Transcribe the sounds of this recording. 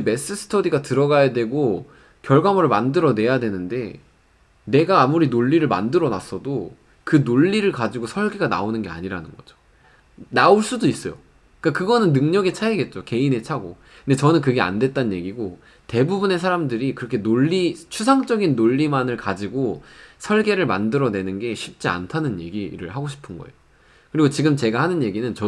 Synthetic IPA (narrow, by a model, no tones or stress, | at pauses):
me̞s͈ɯsʰɯ̥tʰodiɡatɯɾʌɡajadwe̞ɡo | kjʌɭɡwamʌɾɯɭmandɯɾʌne̞jadwe̞nɯnde̞ | ne̞ɡaːmuɾinoʎːiɾɯɭma̰ndɯɾʌna̰s͈ʰʌdo | kɯnoʎːiɾɯɭkad͡ʑiɡosʰʌɭɡiɡana̰onɯnɡe̞a̰ɲiɾa̰nɯnɡʌd͡ʑo̥ | naoɭs͈udois͈ʌjo̰ | ik͈akɯɡʌnɯnːɯŋɲʌɡet͡ɕʰaeɡe̞t̚t͡ɕ͈oke̞ine̞t͡ɕʰaɡo̰ | ɯnde̞t͡ɕʌnɯnkɯɡe̞a̰ndwe̞t̚t͈annje̞ɡiɡo | te̞bubune̞sʰaɾamdɯɾikɯɾʌkʰe̞noɭʎːit͡ɕʰus̬ʰaŋt͡ɕ͈ʌɡinːoʎːimanɯɭkad͡ʑiɡosʰʌɭɡe̞ɾɯɭma̰ndɯɾʌne̞nɯnɡe̞ɕʰip̚t͡ɕ͈ia̰ntʰanɯnje̞̰ɡiɾɯ̰ɭɦaɡoɕʰi̥pʰɯnɡʌ̰e̞̰jo | kɯɾiɡot͡ɕiɡɯmt͡ɕe̞ɡahanɯnje̞ɡinɯnt͡ɕʌ